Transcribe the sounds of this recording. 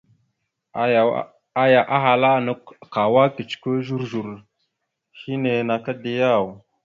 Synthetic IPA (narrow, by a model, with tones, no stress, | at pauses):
a˨ja˨ʔa˦ɦa˨la˦nu˦kka˨wa˦ki˨t͡ʃkə˦ʒu˦ɾʒu˨ɾ | hi˦ne˨na˨ka˦de˦ja˦˨w